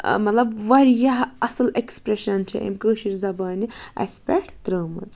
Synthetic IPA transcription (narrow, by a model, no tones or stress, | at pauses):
mɐt̪lɐbʋɐɾjaɦɐsɐlekspɾeʃɐnt͡ʃʰɐ̰ʔḛmkəːʃiɾzɐbaːniɐ̰spʲeʈʰt̪ɾəːmɐ̰t͡s